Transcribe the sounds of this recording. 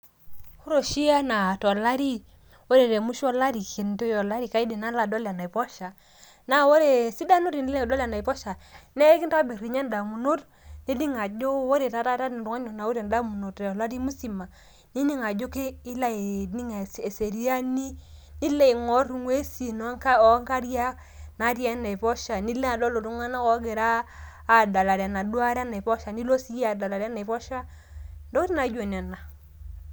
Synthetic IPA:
hu˦ɾo˨ʃi˦a˦na˨tɔ˨la˦ɾi˦ | wo˦ɾe˨ɾe˨mu˦ʃɔ˦la˦ɾi˨kʰe˨nto˦jɔ˨la˦ɾi˨ka˦i˦de˨na˦la˨dɔ˦la˨na˨i˨pɔ˦ʃa˨ | na˦wo˦ɾe˨si˦da˦nu˦ɾi˨ni˦lɛ˦˨dɔ˦la˨na˨i˨pɔ˦ʃa˨nɛ˦ki˦nta˦bi˨ɾi˨ɲa˦n˦da˨mu˨no˦t | ni˦di˦ŋa˨d͡ʒo˦wo˦ɾe˨ta˨˦ta˦ta˦di˨n˨du˨ŋa˦ɲo˨na˨wu˦ɾa˨n˨da˦mu˨no˨tɔ˨la˦ɾi˦mu˦si˨ma˨ | ni˦ɲi˦ŋa˨d͡ʒo˦keː˦la˦˨ni˦ŋa˨se˨se˨ɾi˦a˦ni˦ni˦le˦i˨ŋo˦ɾŋwe˦si˨no˨˦ka˦˨˦ŋka˦ɾja˦ | na˨˦ɾja˦na˨i˨pɔ˦ʃa˨ni˦le˦a˨do˦lo˨tu˦ŋa˦na˦ko˦ɡi˨ɾaː˦˨ | da˨la˨ɾa˨na˨du˦a˦ɾa˦na˨i˨pɔ˦ʃa˨ni˦lo˦si˦ja˨da˨la˨ɾa˦na˨i˨pɔ˦ʃa˦ | ndo˦kɾi˦na˨˦d͡ʒo˨n˨a˨na˨

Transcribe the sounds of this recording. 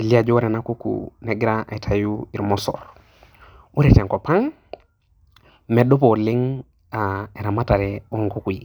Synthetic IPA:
e˨li˦a˨d͡ʒɔ˦ɾɛ˨na˦ku˦kṵnɛ˨ɡi˦ɾa˦ʔe˨tʰa˨ju˦i˨ɾmɔ˦sɔ̰˨ɾ | u˦ɾɛ˨tɛ˨ŋkɔ˨pa˦ŋ | mɛ˨do˦po˨lɪ˦ŋ | a˨e˨ɾa˨ma˦ta˨ɾɛ˨o˦˨ŋko˦ku˨i˨

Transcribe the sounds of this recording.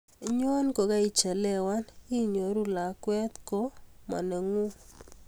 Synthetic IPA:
ɲ˦ɔ˦nko˨ɡa˦i˨t͡ʃɛ˨lɛ˦wa˦ni˦ɲo˨ɾu˦la˨kwɛ˦t̪ko˦ma̰˨ne˨ŋu˦

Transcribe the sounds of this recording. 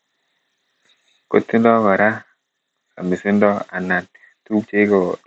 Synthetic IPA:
ko˦tːi˦ndɔ˦kɔ˨ɾa˦ | sa̰˨mɪ˨sɪ˦ndɔ˦a˨na˨n | tu˦kt͡ʃe˦kɔ˨

